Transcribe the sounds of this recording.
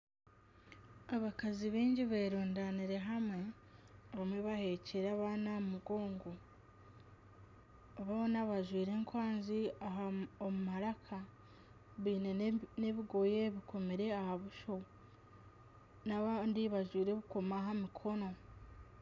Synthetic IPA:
aβakaziβiːɲɟiβeːɾuːndaniɾe̞ɦamwe̞ | βamweβahe̞ceɾaβaːnamumuɡo̞ːŋɡo | βonaβaʒwiːɾe̞ŋkwaːnziaɦaomumaɾakʰa | βiːne̞neβiɡo̞je̞βiko̞meɾe̞ahaβuʃo̞ | naβandiβaʒwiːɾe̞βuko̞maɦamikʰo̞no̞

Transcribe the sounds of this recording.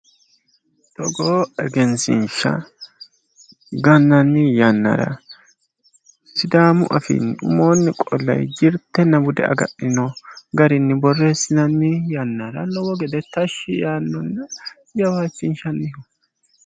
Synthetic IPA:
t̪ɔɡoːɛɡɛnsɪ̰nʃɐ̰ | ɡɐnːɐnːɪjɐnːa̰ːɾɐ̰ | sɪd̪aːmʊ̰ʔɐfḭnʊ̰moːnːɪkʼɔlːɐ̰jd͡ʒɪɾt̪ːɛnːɐbʊd̪ɛ̰ʔɐ̰ɡɐ̰ɗɪnɔɡɐɾɪnːɪbɔrːeːsɪnɐnːɪjɐnːaɾɐ̰nɔwɔɡɛd̪ɛt̪ɐʃːɪjaːnːɔnː | jɐwaːt͡ʃːɪnʃɐnːɪhɔ

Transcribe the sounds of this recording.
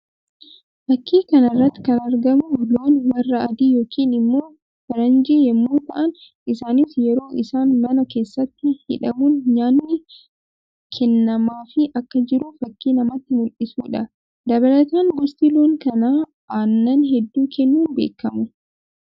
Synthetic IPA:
fɐkʰːiːkɐnɐrːɐt̪ːɪ̥kɐnɐɾɡɐmʊlo̞ːnwɐrːɐɐd̪iːjo̞ːkiːnɪmːoː | fɐɾɐnd͡ʒejɛmːuːt̪ɐʔɐn | ɪsaːnifjɛɾo̞ːʔɪsaːnmɐnɐke̞ːsːɐt̪ːɪhɪ̰ᶑɐmuːnɲaːnːɪ | kʰɛnːɐmaːfɪʔɐkːɐd͡ʒɪɾʊfɐkːiːnɐmɐt̪ːɪmʊlʔɪsuːᶑɐ | d̪ɐβɐlɐt̪aːŋɡɔst̪ɪloːŋkɐnaː | aːnːɐnɦɛd̪ːuːkʰɛnːuːnbḛːkːɐmʊ

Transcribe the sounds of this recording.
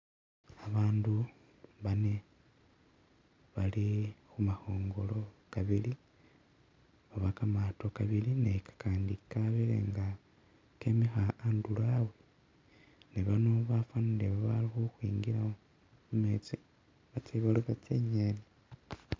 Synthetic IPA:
aβaːndu | βane | βalixumaho̞ːŋɡo̞lo̞kaβili | βaβakamato̞kaβilinekḁkʰaːndikaβelḛŋɡa | kemixaːndulawe | neβano̞βafanileβaβalixuxwiːŋɡiɾa | mumeːt͡si | βat͡seβaluβat͡seɲene

